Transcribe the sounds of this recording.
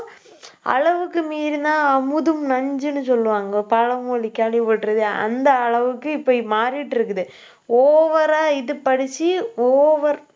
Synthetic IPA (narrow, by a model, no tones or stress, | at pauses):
ɐ̰ɻɐʋɯkːɯmiːɾɯnãːɐmɯðɯmnɐɲd͡ʒɯnɯsɔlːɯʋaːŋɡɐpɐɻɐmoːlikːaːlipɐʈːɾɐðɯɐ̰nd̪ɐːɭɐʋɯkːɯɪpːɐmaːɾiʈːɪɾɯkːɯðɯ | oːʋɐɾaːɪðɯpɐɽɪt͡ʃːioːʋɐɾ